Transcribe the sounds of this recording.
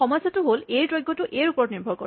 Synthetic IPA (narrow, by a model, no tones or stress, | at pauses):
ɔmɔjsatuɦolejtɹojɡʱːɔtuʔejɹupɔɹtniɹbʱɔɹkɔ̰